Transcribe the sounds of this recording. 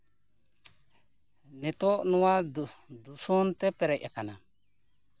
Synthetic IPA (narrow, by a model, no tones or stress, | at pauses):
nɛtonuwadusontepɛɾeʔekana